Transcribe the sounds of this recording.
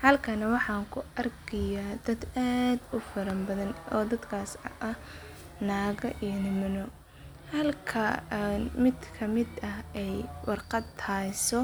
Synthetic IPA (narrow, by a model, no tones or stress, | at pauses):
hɐlkʰɐnɐwɑħɑːŋkʰʊʔɐrkʰɐjaːd̪ɐd̪aːd̪ʊfɐɾɐmbɐðɐnɔːd̪ɐd̪kʰaːsɐʔɐ | naːɣɐʔijɐnɪmɪnɔ | hɐlkʰɐnmɪd̪kʰɐmɪd̪ɐɦɛjwɑrqɑd̪ʰaːsɔ